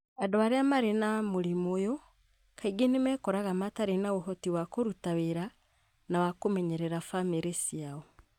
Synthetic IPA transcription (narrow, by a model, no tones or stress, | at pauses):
adoaɾeamaɾenamoɾimojo | kaiɡenemɛkɔɾaɣamataɾenawoɦɔtiwakoɾutaβeɾa | nawakomɛɲɛɾɛɾafameɾesiaɔ